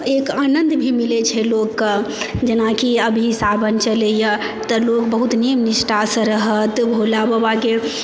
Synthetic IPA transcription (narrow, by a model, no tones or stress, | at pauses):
ekanənd̪bʱimilet͡ʃʰɛlokː | d͡ʒenakiəbʱisabʱənt͡ʃəleja | t̪əlokbəɦut̪nijəmnisʈasə̃ɾəɦət̪bʱolabəbaɡe